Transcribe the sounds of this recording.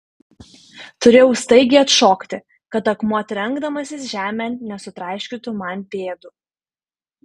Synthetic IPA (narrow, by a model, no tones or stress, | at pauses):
t̪ʊɾʲeːjɛʊst̪ɐɪɡʲɪɐt̪ʃoːkt̪ʲɪ | kɐt̪ɐkmuɐt̪ʲɾʲɛŋɡd̪ɐmɐsʲɪsʒʲæːmʲænnʲɛsʊt̪ɾɐˑɪʃʲkʲɪt̪ʊmɐnʲpʲeːd̪ʊ